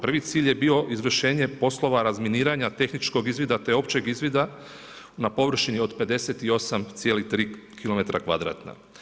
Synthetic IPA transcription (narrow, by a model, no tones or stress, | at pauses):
pr̩ʋit̪siːʎʲje̞bio̞ʔizʋr̩ʃe̞ːɲe̞po̞slˠo̞ʋaɾazminiːɾaɲat̪e̞xnit͡ʃko̞ɡizʋid̪at̪e̞o̞pt͡ʃe̞ɡizʋid̪a | napo̞ʋr̩ʃinio̞d̪pe̞d̪e̞set̪io̞samt̪sijelit̪ɾiːkilo̞me̞t̪ɾʔakʋad̪ɾa̰ːt̪na̰